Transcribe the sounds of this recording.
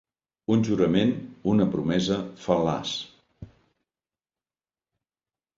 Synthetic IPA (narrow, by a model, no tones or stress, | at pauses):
unʲʒuɾəmenunəpɾumɛzəfəla̰s